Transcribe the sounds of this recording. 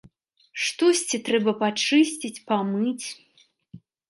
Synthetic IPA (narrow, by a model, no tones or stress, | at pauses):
ʂt̪ɔsʲt͡sʲit̪ɾɛbɐpat͡ʂɨsʲt͡sʲit͡sʲpamɨt͡sʲ